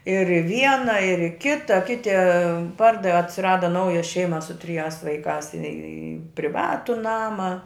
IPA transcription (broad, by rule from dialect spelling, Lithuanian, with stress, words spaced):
ɪr ɪ ˈʋʲiɛnɐ ɪr ɪ ˈkʲɪtɐ ˈkʲɪtʲɪ ˈpɐrdɐʋʲɪ ɐtʲsʲɪˈrɑːdɐ ˈnɐʊjɛ ˈʃʲɛɪmɐ sʊ tʲrʲɪˈjæːs ʋɐɪˈkɑːs ɪ pʲrʲɪˈʋɑːtʊ ˈnɑːmɐ